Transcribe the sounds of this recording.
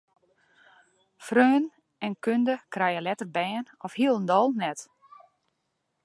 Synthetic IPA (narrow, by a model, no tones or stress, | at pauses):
frøːn | ɛnkøndəkrɛjəlɛtərbɛːnɔfhiəlˠəndɔlˠnɛt